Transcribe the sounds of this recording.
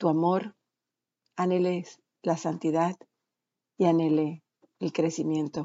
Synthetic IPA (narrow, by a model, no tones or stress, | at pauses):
t̪uamo̞ɾ | anele | lasant̪iðað | iane̞leː | lkɾe̞simjẽ̞nt̪o